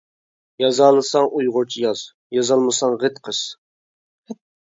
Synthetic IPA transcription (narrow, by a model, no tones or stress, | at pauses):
jɑzɑlˠɨsɑŋʔujʁʊɾt͡ʃʰijɑz | jɑzɑlˠmɨsɑŋʁət̪qʰəs